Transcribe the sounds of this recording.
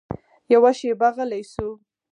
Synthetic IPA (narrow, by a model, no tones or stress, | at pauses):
jawaʃebaɣəlajsu